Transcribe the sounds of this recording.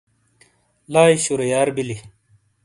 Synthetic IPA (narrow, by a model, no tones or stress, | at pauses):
laːjɕuɾɐjaːɾbili